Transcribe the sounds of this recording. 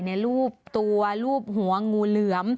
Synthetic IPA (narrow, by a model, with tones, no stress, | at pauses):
na˧jɾuː˥˩p̚t̪u˧ɐluː˥˩p̚ɦu˩˦ɐŋuː˧lɯ˩˦əm